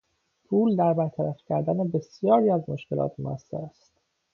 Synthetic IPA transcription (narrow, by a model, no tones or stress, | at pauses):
pʰuːld̪æɾbæɾt̪ʰæɾæfcʰæɾd̪ænebe̞sijɒːɾiːæzmoʃce̞lɒ̰ːt̪mo̰æ̰sːæ̰ɾæst̪